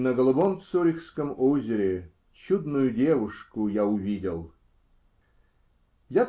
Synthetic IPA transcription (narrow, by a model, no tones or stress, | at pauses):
nəɡəlˠɐbomt̪sɔɾʲɪxskəmozʲɪɾʲɪ | t͡ɕud̪nʊjʊdʲevʊʂkʊjaʊvʲidʲɪlˠ | ja